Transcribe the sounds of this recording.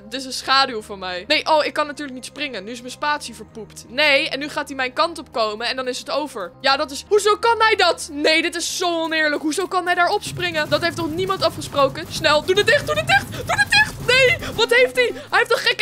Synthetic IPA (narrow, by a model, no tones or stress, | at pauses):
tɪs̬ənsχaːdylˠvɔnmɛjnejʔowɪkːɑnːatyːɹləknitsprɪŋənyɪsmənspaːtsivəɹpuptnejɛnːyχaːtdimɛjnkɑntɔp̚kowməɛndɑnɪsətowvəɹjaːdɑtɪsɦuzowkɑnɦɛjdɑtnejdɪtɪsːowɔnɪːɹləkɦuzowkɑnɦɛjdaːɹɔpsprɪŋədɑtɦejftɔχnimɑntɑfχəsprowkəsnɛlˠdudədɪχt̚dudətdɪχtd̥unətdɪχtnejʋɑtɦejftdiɦɛjɦeftɔtχɛk